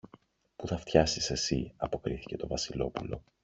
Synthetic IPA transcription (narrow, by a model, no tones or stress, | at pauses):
puθɐft̪çɐsise̞sḭɐpo̞kɾiθi̥ce̞t̪o̞vɐsilo̞pulo̞̰